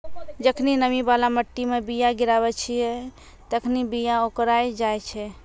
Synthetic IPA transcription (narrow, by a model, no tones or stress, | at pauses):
d͡ʒəkʰninəmibalaməʈːimebijaɡiɾaβɛt͡ʃʰijɛ | t̪əkʰnibijaokɾajd͡ʒajt͡ʃʰɛ